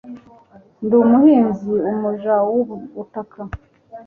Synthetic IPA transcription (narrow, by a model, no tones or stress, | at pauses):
ndumuhiːnziumuʒawuβutakʰa